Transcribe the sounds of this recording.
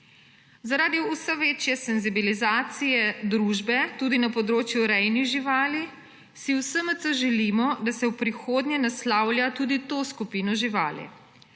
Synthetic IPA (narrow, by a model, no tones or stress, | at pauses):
zaɾaːd̪iusɛʋeːt͡ʃjɛsɛnzibilizaːt̪sijɛd̪ɾuːʒbɛt̪uːd̪inapɔd̪ɾoːt͡ʃjuɾɛjniɣʒiʋaːli | siwsəmət̪sɔʒɛliːmɔd̪asɛwpɾixoːd̪ɲjɛnaslaːwlʲjat̪uːd̪it̪oːskupiːnɔʒiʋa̰ːlɛ̰